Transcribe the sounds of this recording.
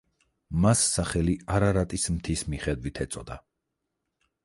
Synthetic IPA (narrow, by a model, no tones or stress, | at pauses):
masːaχɛliaɾaɾat̪ʼismt̪ʰismiχɛd̪wit̪ʰɛt̪sʼɔd̪a̰